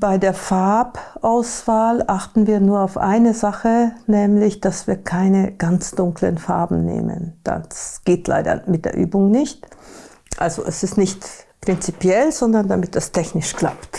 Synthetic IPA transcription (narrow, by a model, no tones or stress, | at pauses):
b̥aɪdeːɐfaɐpʔaʊsv̥aːlʔaχtn̩viːɐnuːɐaʊfʔa̰ɪnəzaχənɛːmlɪçd̥asv̥iːɐkʰaɪnəɡ̥ant͡sd̥ʊŋklə̰nfaɐbm̩nḛːmə̰nd̥a̰ssɡ̥eːtla̰ɪdɐ̰mɪt̚d̥eːɐʔy̰ːbʊŋnɪçt | ʔa̰lzo̰ʔɛsɪstnɪçtpʁ̥ɪnt͡sipjɛlzɔndɐndamɪt̚d̥astʰɛçnɪʃkl̥a̰pt